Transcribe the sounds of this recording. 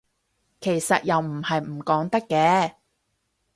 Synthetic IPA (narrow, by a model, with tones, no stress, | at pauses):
kʰe˨˩jsɐ˨t̚jɐ˨wm̩˨˩hɐ˨jm̩˨˩kɔː˨˥ŋt̪ɐ˥kːɛː˧˥